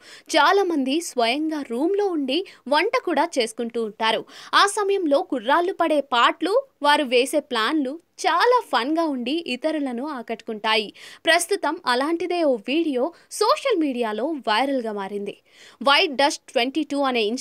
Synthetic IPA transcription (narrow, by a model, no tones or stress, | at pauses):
t͡ʃaːlaːmɐnd̪isʋɐjɐŋɡaːɾuːmlo̞ːuɳɖiʋɐɳʈɐkuːɽaːt͡ʃe̞ːsu̥kuɳʈuːɳʈaːɾuaːsɐmɐjɐmlo̞ːkurːaːlːupɐɽe̞ːpaːʈluʋaːɾuʋe̞ːse̞ːplaːnlu | t͡ʃaːlaːpʰɐnɡaːuɳɖiʔːt̪ɐɾulɐnuaːkɐʈːu̥kuɳʈaːjipɾɐst̪ut̪ɐmɐlaːɳʈid̪e̞ːoːʋiːɽijo̞ː | so̞ːʂɐlmiːɽijaːlo̞ːʋɐjɾɐlɡaːmaːɾind̪i | ʋɐjʈ̚ɖɐsʈʈʋeɳʈiːʈuːɐne̞ːin